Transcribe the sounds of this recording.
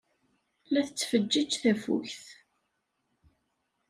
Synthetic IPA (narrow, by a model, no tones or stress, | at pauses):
læθət͡sːfəd͡ʒːəd͡ʒθæfṵçθ